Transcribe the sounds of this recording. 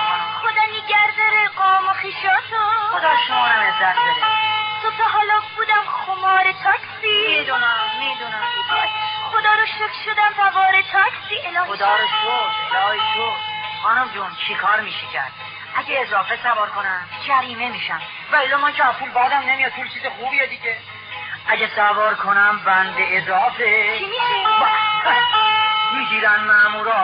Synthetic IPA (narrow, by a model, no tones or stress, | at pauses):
xod̪ɒːniɟæɾd̪ɒɾeqɒːmoxiːʃɒːt̪ʰoxod̪ɒːɾʃomɒːɾæmezːæt̪̚ʰbed̪esot̪ʰeɦɒːlɒːbuːd̪æmxomɒːɾet̪ʰɒːksimiːd̪unæmːid̪unæmtod̪xod̪ɒːɾoʃokʰʃod̪æmvæbɒːɾet̪ʰɒːksiːʔelɒːxod̪ɒːɾoɡodɒːɾɡofχɑːnomd͡ʒunt͡ʃʰekʰɒːɾmiːʃecʰæ̰ɾd̪̥̚ | ʔæɟeːzɒːfesævɒːɾkʰonæmd͡ʒʰæɾiːme̞miːʃæm | væelːɒːmænkʰeæpuːlbɒːd̪æmne̞mijɒd̪t̪ʰuːlt͡ʃʰiːzexuːbijed̪iɟʲe | æɟesævɒːɾkʰonæmbænb̪eezɒːfet͡ʃʰimiʃeba | miːɡiːɾænmæmuːɾɒ